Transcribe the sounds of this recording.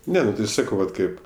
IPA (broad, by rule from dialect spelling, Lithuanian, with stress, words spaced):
ˈnʲɛ nʊ tɐɪ ˈsɑːkɐʊ ˈʋɐt ˈkɐɪp